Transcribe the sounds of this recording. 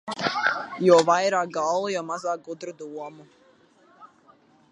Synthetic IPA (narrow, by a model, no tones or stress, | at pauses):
jɔvajɾaːk̚ɡallujɔmazaːk̚ɡud̪ɾud̪uɔmu